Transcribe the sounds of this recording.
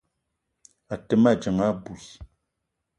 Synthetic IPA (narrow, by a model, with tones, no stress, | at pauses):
a˨tə˨ma˦˨d͡ʒə˨ŋa˦bu˨s